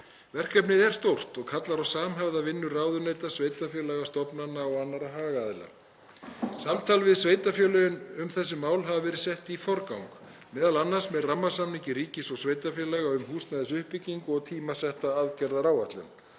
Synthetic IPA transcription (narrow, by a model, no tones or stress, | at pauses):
vɛr̥kœp̬nɪðɛɾ̥st̪owr̥t̪ɔɣkʰat̪laɾawsaːmɦɛvðavɪnːʏraːwðʏnejt̪asveːjt̪afjœːlɛɣast̪ɔpnanːaɔɣanːaɾaɦaːɣaðɪla̰ | samt̪ʰaːlvɪðsveːjt̪afjœːlœjʏnʏmθɛs̬ːɪmaːwlɦavavɛːɾɪsɛht̪ifɔɾkawŋkmɛːðalanːḁsmɛðramːasamnicɪɾiːcɪsɔɣsvejt̪afjɛlɛɣaʏmɦuːst̪naðɪsʏhpɪcːiŋkɔɣt̪ʰiːmasɛht̪aaðcɛɾðaɾaːwaht̪lʏ̰n